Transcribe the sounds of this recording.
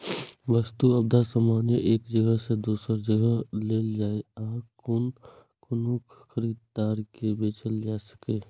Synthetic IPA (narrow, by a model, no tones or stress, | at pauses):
ʋəst̪uɐb̚d̪asəmaːnjeʔeːkd͡ʒəɡəɦsed̪uːsəɾd͡ʒəɡəɦleːld͡ʒaːeaːkon | kʊnukʰ | xʰəɾiːd̪̚d̪aːɾkebeːt͡ʃəld͡ʒaːsə̥keː